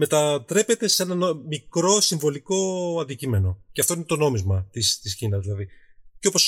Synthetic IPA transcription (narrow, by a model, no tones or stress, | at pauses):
me̞t̪ɐt̪ɾe̞pe̞t̪e̞se̞nɐnomikɾo̞siɱvo̞liko̞ɐnd̪icime̞no̞ceɐft̪o̞ine̞t̪o̞no̞mizmɐt̪ist̪isçinɐzðilɐðiceo̞po̞s